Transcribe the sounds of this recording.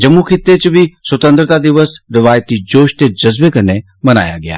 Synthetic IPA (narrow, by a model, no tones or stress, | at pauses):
d͡ʒɐmːukʰɪt̪ːet͡ʃbʱiswət̪ə̃nt̪ɾət̪ad̪ɪʋəsɾɪʋaːjət̪id͡ʒoːʃt̪ed͡ʒɐzbekɐɾne | mɐna̰ːja̰ɡɪja̰ː